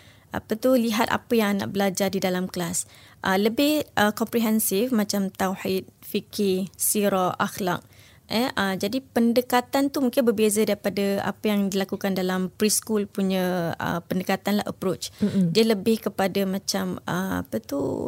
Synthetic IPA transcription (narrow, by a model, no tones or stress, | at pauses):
ʔa̰pət̪uliɦat̪a̰pəjaŋana̰ʔ̚bəlad͡ʒadidalamklas | ʔələbɪhʔəkɔmpɾiɦɛnsɪfmãt͡ʃamt̪awħit̪̚fikɪsiɾɔʔaxla̰k̚ | ɛʔəd͡ʒadipəndəkat̪ant̪umũŋkɪnbərbezədaɾipadəa̰pəjaŋdilakukandalampɾiskulpuɲə̃ə̰pəndəkat̪anlaʔə̰pɾot͡ʃdiələbɪhkəpadəmãt͡ʃamə̰a̰pət̪ṵ